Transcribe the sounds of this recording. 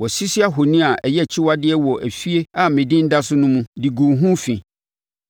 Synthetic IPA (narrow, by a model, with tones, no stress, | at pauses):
wɔ˨si˦si˦a˦ɦo˨nĩ˦a˨ʔɛ˨jɛ˦˨t͡ɕʰɪ˦wa˦dɪ˦ɛ˦wɔ˨ʔæ˨fi˦e˦a˨mɪ̃˨dɪ̃˦n̩˦da˦sʊ˦nʊ̃˦mũ˦di˨ɡũ˨ɦũ˦fĩ˨